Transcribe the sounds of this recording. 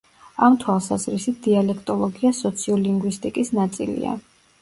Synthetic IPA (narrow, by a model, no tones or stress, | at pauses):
amt̪ʰwalˠsazɾisit̪̚d̪̥ialɛkʰt̪ʼɔlˠɔɡiasɔt̪sʰiɔliŋɡwist̪ʼikʼisnat̪sʼḭlḭa̰